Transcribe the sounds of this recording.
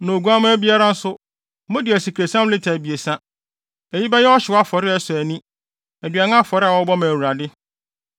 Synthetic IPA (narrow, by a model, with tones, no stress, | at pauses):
nõ˨ɡu˨˦a˦mʊ̃˦æ˦bi˦a˦ɾa˦n̩˦sʊ˦ | mʊ̃˦dɪ˨æ˨si˨kʰɾe˨sã˦m˦lɪ˦tʰæ˨bi˨e˨sã˦ | æ˨ji˦bɛ˦jɛ˦ɔ˦ɕɪ˨wa˦fɔ˨ɾɪ˦ɛ˦sʊ˨æ˨nĩ˦ | æ˨dɥa˨nã˦a˦fɔ˨ɾɪ˦a˨wɔ˦bɔ˦mæ˨wu˨ɾa˨dɪ˦